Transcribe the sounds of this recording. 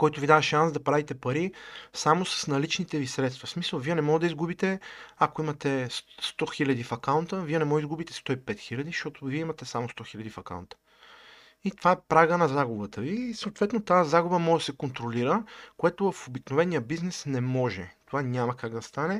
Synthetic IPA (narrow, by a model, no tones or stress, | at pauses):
kɔjt̪ʊvid̪avɐʃansd̪ɐpɾavit̪ɛpɐɾisamosə̥snɐlit͡ʃnit̪ɛvisɾɛt̪st̪vɐsmisəlˠviɛnɛmɔɡd̪ɐizɡubit̪ɛakoimɐt̪ɛsst̪ɔxilʲɐd̪ifɐkaʊnt̪əviɛnɛmɔɡizɡubit̪ɛ̥st̪ɔipɛt̪xilʲɐd̪iʃt̪ɔt̪oviɛimɐt̪ɛsamost̪ɔxilʲɐd̪ifɐka̰nt̪ə̥ | it̪ovaɛpɾaɡənɐzaɡʊbət̪əvisɐoːt̪vɛt̪not̪azaɡʊbəmɔʒd̪ɐsɛkont̪ɾoliɾəkoɛt̪ovɐfobiknovɛnijəbiznɛsnɛmɔʒɛt̪ovanɲʲamɐkaɡd̪ɐst̪anɛ